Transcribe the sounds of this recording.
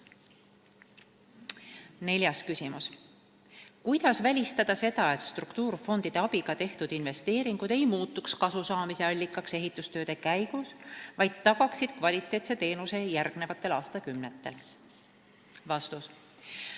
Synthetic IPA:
ne̞lʲjɑskysimus | kujd̪̥ɑsvælʲist̪ɑd̪̥ɑse̞d̪̥ɑet̪st̪rukt̪uːrfo̞nd̪̥id̪̥e̞ɑbiɡ̥ɑt̪e̞ht̪ud̪̥inve̞st̪e̞ːɾiŋɡ̥ud̪̥e̞jmuːt̪ːˑukskɑsusɑːmise̞ɑlʲːikːˑɑkse̞ɦit̪ːˑust̪øːd̪̥e̞kæjɡ̥usvɑjd̪̥̚t̪ːɑɡ̥ɑksid̪̥̚kvɑlʲit̪ˑːe̞ːt̪set̪e̞ːnuse̞jærɡ̥ne̞vɑt̪ːˑe̞lɑːst̪ɑkymnet̪ːˑe̞l | vɑst̪us

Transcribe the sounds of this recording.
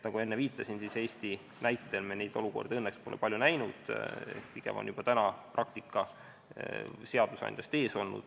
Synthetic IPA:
nɑɡ̥ue̞nːeviːt̪ːˑɑsinsise̞ːst̪i | næjt̪ːˑe̞lmenejd̪̥o̞luko̞̰rd̪eɤnːekspo̞lepɑlʲjunæjnud̪̥̰piɡ̥ḛmo̰njub̥ɑt̪ænɑprʔɑkt̪ikːˑɑ | se̞ɑd̪̥usɑ̰nʲd̪̥jɑst̪e̞ːso̞lnṵd̪̥

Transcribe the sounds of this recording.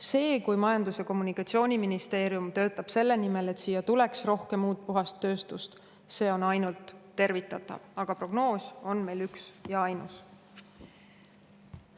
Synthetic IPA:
se̞ːkujmɑjɑnd̪useko̞mːunikɑt̪sio̞ːnʲiminist̪e̞ːɾijumt̪ø̞ːt̪ːˑɑb̥se̞lːe̞nime̞le̞t̪siːjɑt̪ule̞ksro̞hke̞mːuːt̪̚puɦɑst̪ːø̞ːst̪ust̪ | se̞ːo̞nɑjnult̪ːe̞rvit̪ːˑɑt̪ːˑɑ̰vɑɡ̥ɑpro̞ɡ̥no̞ːsʲo̞nme̞jlyksjɑɑjnus

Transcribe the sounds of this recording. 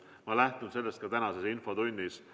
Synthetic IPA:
mɑlæht̪nund̪se̞lːe̞st̪kɑt̪ænɑsesinfo̞t̪unʲːis

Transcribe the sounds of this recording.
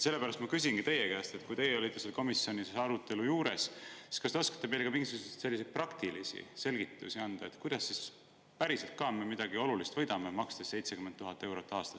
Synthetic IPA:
selːæɾɑst̪mɑkys̬inkit̪e̞jekæːst̪e̞t̪kujt̪e̞jeolʲit̪ːˑeselko̞misːio̞nʲisɑɾut̪ˑːe̞lujuːɾe̞ssi̥skɑst̪eo̞skɑ̥t̪ːˑeme̞jlekɑmiŋɡisuɡ̥usee̥t̪se̞lːis̬e̞jd̪̥̚prɑkt̪ilisḭse̞lɡ̥it̪ːˑusiɑnd̪̥ɑe̞t̪kujd̪̥ɑsːis | pæɾiselt̪̚kɑmemid̪̥ɑɡio̞lulist̪vɤjd̪̥ɑmemɑkst̪esse̞jt̪se̞kymːent̪ːuɦɑt̪ːˑe̞wɾo̞t̪ːˑɑːst̪ɑ̥s

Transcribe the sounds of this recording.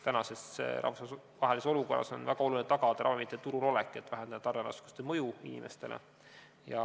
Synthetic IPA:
t̪ænɑse̞sɾʔɑ̰fɑ | vɑɦe̞liso̞luko̞rːɑ̰so̞̰nvæɡ̥ɑolunet̪ɑɡ̥ɑd̪̥ɑɾɑ̰vɑmit̪ːˑet̪uɾulo̞lekːˑe̞t̪ːˑvæɦend̪ɑd̪ɑt̪ɑrːenɑ̰sku̥st̪emɤjuinime̞st̪e̞lʔḛ | jɑ̰

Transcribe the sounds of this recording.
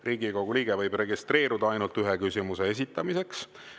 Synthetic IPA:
riːɡiko̞ɡ̥uliːɡ̥evɤ̞jb̥re̞ɡist̪re̞ːɾud̪ɑɑjnult̪yɦekysimuse̞es̬it̪ːˑɑmise̞ks

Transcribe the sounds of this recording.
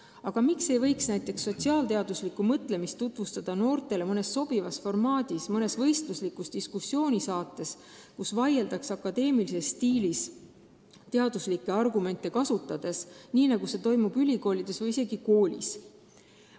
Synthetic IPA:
ɑɡ̥ɑmikse̞jvɤ̞jksnæjt̪ːˑe̞ksːo̞t̪ʲsiɑːlt̪e̞ɑd̪̥uslikːumɤt̪ːˑle̞mist̪ːut̪ˑvust̪ɑd̪̥ɑno̞ːrt̪ˑe̞le̞mɤne̞sːo̞b̥ivɑsfo̞rmɑːd̪̥ismɤne̞svɤ̞jst̪luslikːˑust̪iskusːjo̞ːnʲisɑːt̪ːˑe̞s | kusvɑje̞ld̪ɑksɑkːˑɑd̪e̞ːmilise̞sːt̪iːlis | t̪e̞ɑd̪uslikːˑe̞ɑrɡume̞nt̪ˑːe̞kɑsut̪ːˑɑd̪̥e̞sniːnɑɡ̥use̞t̪o̞jmub̥ylʲiko̞ːlʲid̪̥e̞svɤjise̞ɡiko̞ːlʲḭs

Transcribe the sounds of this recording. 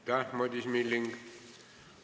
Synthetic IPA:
t̪amod̪ismilːiŋɡ

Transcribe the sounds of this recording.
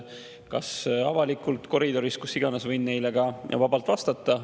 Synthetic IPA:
kɑsɑ̰vɑlikːˑult̪ˑko̞ɾid̪o̞ɾiskusːiɡ̥ɑnesvɤjnːe̞jleɡ̥ɑjɑ̰vɑbɑlt̪vɑst̪ɑt̪ˑːɑ

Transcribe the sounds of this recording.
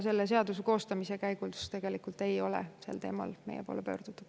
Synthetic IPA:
se̞lːese̞ɑd̪useko̞ːst̪ɑmisekæjɡ̥ulst̪e̞ɡ̥e̞likult̪e̞jo̞lḛsḛlt̪e̞ːmɑ̰lme̞̰jepo̰ːlepø̞̰ːrd̪̥ut̪ːˑud̥

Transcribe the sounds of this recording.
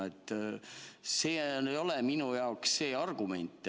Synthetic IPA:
et̪ːˑ | se̞ːejo̞leminujɑoksːe̞ːɑrɡ̥ume̞nʲt̪ˑː

